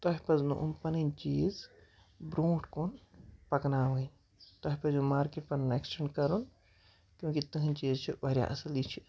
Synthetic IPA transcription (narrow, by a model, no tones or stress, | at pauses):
t̪ɔɦipɐznṵʔumpɐnint͡ʃiːz | bɾũːʈʰkonpɐknaɦuin | t̪ɔɦipɐzumaːɾkeʈ̚pɐnnaeksʈeɳɖkɐɾun | kʲjõːkit̪uɦĩnt͡ʃiːzt͡ʃʰibɐɾja̰ʔɐslit͡ʃʰi